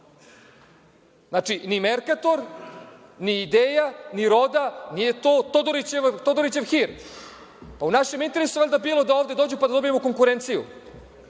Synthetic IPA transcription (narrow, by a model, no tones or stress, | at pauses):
zat͡ʂinimeɾkat̪o̞ɾ | niːd̪eːjaniɾo̞d̪anijet̪oːt̪od̪oɾit͡ɕeʋt̪od̪oɾit͡ɕeʋxiɾ | paunaʃemint̪e̞ɾesuʋeʎʲd̪abiːlˠod̪aoːvd̪ed̪od͡ʑupad̪ad̪o̞biemoko̞ŋkuɾent̪sijṵ